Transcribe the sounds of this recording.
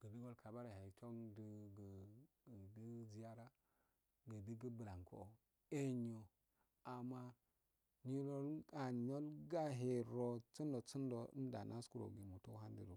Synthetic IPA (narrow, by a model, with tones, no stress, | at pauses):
ɡ̥ə˨bi˦ɡo˦lkʰa˨ba˦ɾa˨ha˨tʰo˦ŋdə˨ɡə˨ | di˦zi˨˦ja˦ɾa˦ | ɡə˨di˦ɡə˦bə˨la˨ŋkʰo̰˨ | e˦ɲo˨ | a˨mːa˦ | ɲi˦lo˦la˨ɲo˦lɡa˦ɦe˨ɾo˦t͡si˦ndo˨t͡sə˦ndo̰˨˦da̰˨nʔa˦sku˦˨ɾo̰˨ɡi˨mu˨to˦ɦa˦n˦dḭ˦˨ɾo˨